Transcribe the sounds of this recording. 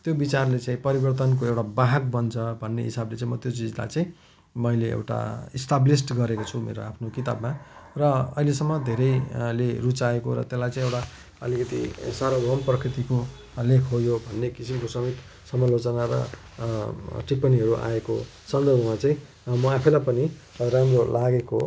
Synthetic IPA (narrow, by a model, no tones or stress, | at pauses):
t̪jobit͡sarlet͡saĩpʌɾibʌrt̪ʌnkoewʈabaɦak̚bʌnt͡sʰʌbʱʌnːḛɦisablet͡sãĩmʌt̪jot͡sid͡zla̰jt͡sãĩ | mʌileḛwʈa̰isʈablisʈɡʌɾekot͡sʰumḛɾo̰apʰnokit̪a̰bmarʌʌ̰ɦilesʌmːʌd̪ʱeɾʌjlerut͡saekoɾʌ̰t̪jelajt͡sãĩewʈa | ʌ̰likʌt̪ḭsaɾoɡʱʌmprʌkʰɾit̪iko | lekʰɦojobʱʌnːekisimkosʌmit̪ | sʌmalot͡sʌnaɾʌ̰ | ʈipːʌniɦʌɾuʔa̰eko | sʌnd̪ʌrbʱʌmat͡saĩ | mʌapʰʌlajpʌni | ɾamrolaɡeko